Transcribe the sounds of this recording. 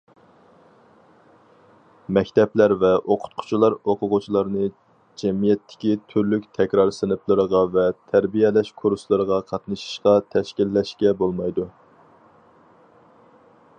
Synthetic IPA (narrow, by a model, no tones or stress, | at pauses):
mɛkʲt̪ɛplæɾvɛʔoqʰʊ̥t̪̚qʰʊ̥t͡ʃʰilˠɑɾoqʰʊʁʊt͡ʃʰilˠɑɾnɨ | d͡ʒɛmijɛt̪ʰːɪ̥kʲit̪ʰyɾlykʲt̪ʰɛkʲɾɑɾsɨnɨplˠɨɾəʁɑvɛt̪ʰæɾbijɛlɛʃkʰuɾslˠɨɾəʁɑqʰɑt̪nɨʃi̥ʃqɑt̪ʰɛʃkʲilːɛʃkʲɛbolˠmɑjd̪u